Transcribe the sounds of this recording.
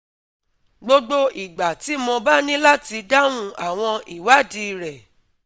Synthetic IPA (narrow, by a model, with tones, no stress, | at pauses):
ɡ͡bo˦ɡ͡bo˦ʔi˨ɡ͡ba˨ti˨˦mɔ̃˧ba˦nĩ˦la˦ti˧da˦w̃ũ˦a˨w̃ɔ̃˧i˨wa˨˦˨di˧˨ɾɛ˨